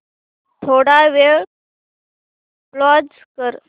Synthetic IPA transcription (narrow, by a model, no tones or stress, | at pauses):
t̪ʰoɽaʋeɭ | plɔd͡z | kəɾ